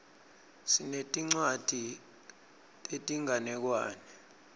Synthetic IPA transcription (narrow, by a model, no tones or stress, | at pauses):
sinetʼiŋ͡ǀwad̥ʱi | etʼiŋanɛk̬waːnɛ